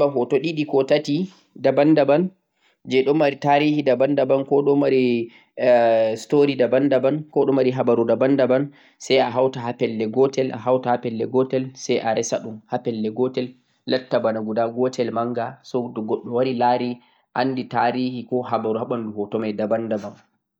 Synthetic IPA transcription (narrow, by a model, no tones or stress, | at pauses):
aɦɔtɔɗiɗikɔtati | dabandaban | d͡ʒɛɗɔmːaɾitaɾihidabandabankɔɗɔmaɾi | stoɾidabandabankɔɗɔmaɾiɦabaɾudabandaban | sajaɦawtahapɛlːɛɡɔtɛlʔa̰ɦawtahapɛlːɛɡɔtɛlsajʔaɾʔɛsaɗumhapɛlːɛɡɔtɛlː | atːabanaɡudaɡɔtɛlmaŋɡasɔdɔɡɔɗːɔwaɾilaɾi | ʔa̰nditaɾiːhikɔɦabaɾuhaɓanduhɔtɔmajdabandaban